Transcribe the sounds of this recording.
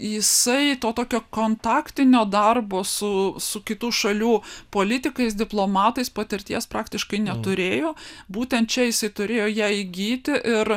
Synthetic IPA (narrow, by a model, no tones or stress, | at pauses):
jɪsɐɪt̪oːt̪oːkʲoːkoːnt̪ɑːkt̪ʲɪnʲoːd̪ɐrboːsʊsʊkʲɪt̪uːʃɐlʲuːpoːlʲɪt̪ʲɪkɐɪsd̪ʲɪplˠoːmɑːt̪ɐɪspɐt̪ʲɪɾʲt̪ʲiɛspɾɑːkt̪ʲɪʃkɐɪnʲɛt̪ʊɾʲeːjoːbuːt̪ʲɛnt̪̚t͡ʃʲɛjɪsɐɪt̪ʊɾʲeːjoːjæɪɡʲiːt̪ʲɪʔɪr